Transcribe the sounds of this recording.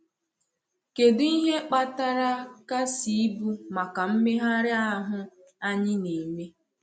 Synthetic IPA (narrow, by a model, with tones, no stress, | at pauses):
ke˨dʊ˦i˦ɦe˦k͡pa˦ta˦ɾa˦ka˦si˨˦bu˦ma˨ka˨m̩˦me˦ɦa˦ɾɪ˦a˦ɦʊ˦ | a˦ɲɪ˦ne˨me˦